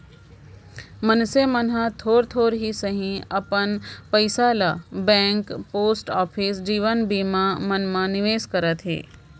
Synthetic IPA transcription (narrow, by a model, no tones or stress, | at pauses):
mɐnsemənɦãt̪ʰoːɾt̪ʰoːɾɦisəɦĩɐpənpəɪsaːlabɛ̃ːŋkpoːsʈɔːpʰiːsd͡ʒiːʋənbiːmãmɐnmãnɪʋeːskɐɾət̪ɦḛː